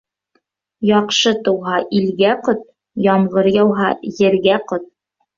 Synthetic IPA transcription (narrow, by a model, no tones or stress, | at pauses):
jɑqʃɤt̪ɤ̆wɦɑʔilɡæqɤt̪̚ | jɑmʁɤɾjɑwɦɑjɘ̆ɾɡæqɤt̪̚